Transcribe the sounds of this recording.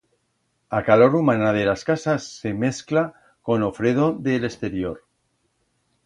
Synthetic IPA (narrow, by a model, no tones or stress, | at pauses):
akalo̞ɾumanað̞elaskasasːe̞me̞skla | ko̞no̞fɾeð̞oðelest̪e̞ɾjoɾ